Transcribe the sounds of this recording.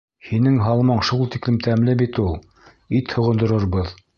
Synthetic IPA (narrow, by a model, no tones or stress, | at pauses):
hinɘŋɦɑlˠmɑɴʃulˠt̪iklɘmt̪ʰæmlɘbit̪ulˠ | it̪hŏʁɤ̆nd̪ŏɾɤ̆ɾβɤð